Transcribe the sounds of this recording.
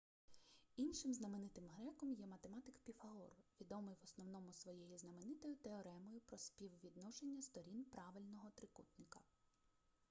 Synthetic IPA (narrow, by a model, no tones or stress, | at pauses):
inʃɪmznɐmenɪt̪ɪmɦɾɛkɔmjɛmɐt̪emɑt̪ɪkpʲifɐɔrʋʲid̪ɔmɪjʋɔsnɔwnɔmʊsʋɔjejiznɐmenɪt̪ɔjʊt̪eɔɾɛmɔjʊpɾɔspʲiwʋʲid̪nɔʃenʲːɐst̪ɔɾʲinpɾɑʋɪlʲnɔɦɔt̪ɾɪkut̪nɪkɐ